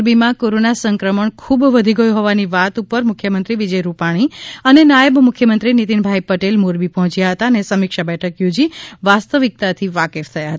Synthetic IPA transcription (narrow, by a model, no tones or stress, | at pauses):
ɾbimãkoɾonasəŋkɾəməɳkʰubʋəd̪ʱiɡəjũɦɔʋaniʋat̪upəɾmʊkʰjəmənt̪ɾiʋid͡ʒəjɾupaɽ̃iənenajəbmʊkʰjəmənt̪ɾinit̪inbʱajpəʈelmoɾbipəɦɔ̃t͡ʃjaɦət̪aənesəmikʃabɛʈʰəkjod͡ʒiʋast̪əʋik̚t̪at̪ʰiʋakeft̪ʰəjaɦət̪a